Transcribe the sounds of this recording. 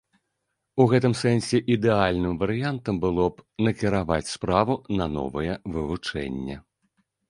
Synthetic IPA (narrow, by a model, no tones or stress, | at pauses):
uɣɛt̪ɨmsɛnʲsʲɛʔid̪ɛalʲnɨmvɐɾɨjant̪ɐmbɨlˠɔpnɐkʲiɾava̰t͡sʲspɾavunɐnɔ̰vɐjɛvɨvut͡ʂɛ̰nʲːɛ